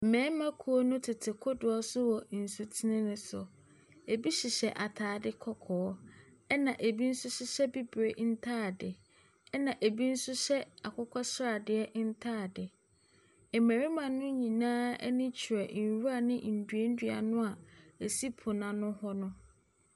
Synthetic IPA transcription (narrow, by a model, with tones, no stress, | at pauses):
m̩˨mɛ̃ː˨˦mã˦kʰu˨o˦nʊ̃˦tʰɪ˨tʰɪ˨kʰʊ˦dʊ˨ɔ˦sʊ˦wɔ˨n̩˨su˨tʰi˦nɪ̃˦nʊ̃˦sʊ˨ | e˨bi˦ɕi˨ɕɛ˨ʔa˨tʰaː˨˦dɪ˦kʰɔ˦kʰɔː˨˦ | ɛ˦nã˨ʔe˨bi˦n̩˦sʊ˦ɕɪ˦ɕɛ˦bi˦bɾe˨n̩˦tʰaː˦˨dɪ˨ | ɛ˦nã˨ʔe˨bi˦n̩˦sʊ˦ɕɛ˦a˨kʰɔ˦kʰɔ˦sɾa˨dɪ˦ɛ˦ʔn̩˦tʰaː˦˨dɪ˨ | ɛ˨mæ̃˨ɾi˦mã˨nː˦ʊ̃˦ɲĩ˨nãː˦ɛ̰˦nɪ̃˦t͡ɕʰi˨ɛ˨n˨wu˦a˦˨nɪ̃˦˨n̩˨dɥe˦n̩˦dɥa̰˨nʊ̃˦a˨e˨si˦pʰʊ˨nã˨nʊ̃˦hɔ˦nʊ̃˦